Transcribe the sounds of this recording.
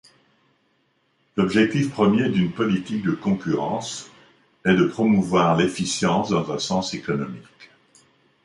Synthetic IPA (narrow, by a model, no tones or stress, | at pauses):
lɔbʒɛk̚t̪ifpχəmjed̪ynpɔlit̪ik̚d̪əkɔ̃kʲyʁɑ̰̃s | ɛd̪əpχɔmuvwaʁlefisjɑ̃sd̪ɑ̃zɛ̃sɑ̃sekɔnɔmik